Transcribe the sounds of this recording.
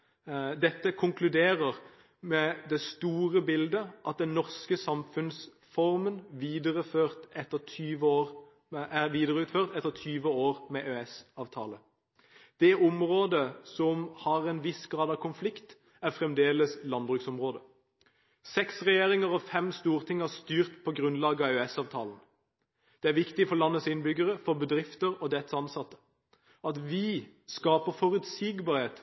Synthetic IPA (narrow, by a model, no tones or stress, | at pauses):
d̪ɛt̪ːəkʰʊŋklʉd̪eːʁəʁ | mɛd̪ɛst̪uːʁəbɪld̪əʔɑt̪̚d̪ɛnɔʁskəsɑmfʉns | fɔʁmənʋiːd̪əʁəføːʁt̪ɛt̪ːət̪ʰyːʋəoːʁ | æʋiːd̪əʁəʉːt̪føːʁt̪ɛt̪ːəʁt̪ʰyːʋəoːʁmɛʔøːɛsɑːʋt̪ʰɑ̰ːlə | d̪̥ɛʔɔmʁoːd̪əsɔmhɑːʁɛnʋɪsɡʁɑːd̪ɑʋkʰʊnflɪkt̪ | æʁfʁɛmd̪eːləslɑnbʁʉksɔmʁoːd̪ə | sɛksʁɛjeːʁɪŋəʁɔfɛmst̪uːʁt̪ʰɪŋːəæʁst̪yːʁt̪pʰɔɡʁʉnlɑːɡəɑøɛsɑːʋt̪ʰɑ̰ːln̩ | d̪̥ɛæʁʋɪkt̪ɪfɔʁlɑnːəsɪnbʏɡəʁəfɔʁbəd̪ɾɪft̪əʁɔd̪ɛt̪ːsɑnsɑt̪ːə̥ | ɑt̪ʋɪskɑːpəʁfɔʁʉt̪siːɡbɑːʁheːt̪